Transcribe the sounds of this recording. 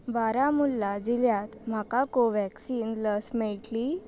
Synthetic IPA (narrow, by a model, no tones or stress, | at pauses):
baɾamulːad͡ʑiljat̪m̤akakoʋɛksiːnləsmɛɭʈli